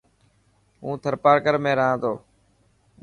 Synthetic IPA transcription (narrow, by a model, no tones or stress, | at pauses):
ɦṵ̃ːt̪ʰəɾpaːɾkəɾmẽːɾəɦãːt̪oː